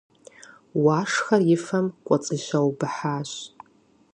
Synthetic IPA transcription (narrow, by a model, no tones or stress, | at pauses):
waʂχarɪfamkʷʼat͡sʼɨʒʷawbɨħaʒʷ